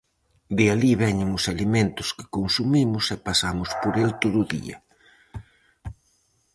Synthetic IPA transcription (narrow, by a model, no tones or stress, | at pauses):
d̪ɪaliβɛɲɪŋʊsaliment̪ʊskɪ̥konsumimʊsɛpasamʊspoɾelt̪oðʊðḭɐ̰